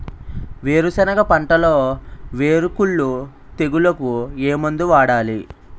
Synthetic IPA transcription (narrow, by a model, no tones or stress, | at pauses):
ʋeːɾusɐnɐɡɐpɐɳʈɐlo̞ːʋeːɾukuɭːu | t̪e̞ɡulɐkueːmund̪uʋaːɽaːli